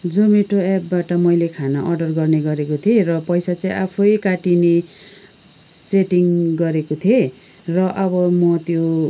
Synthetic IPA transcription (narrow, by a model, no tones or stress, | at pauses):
d͡zomeʈoapbaʈʌmʌjlekʰanʌʔʌrɖʌrɡʌrneɡʌɾekot̪ʰerʌpʌjsat͡saĩʔapʰojkaʈine | seʈiŋɡʌɾekot̪ʰje | rʌʔʌbʌmʌt̪jo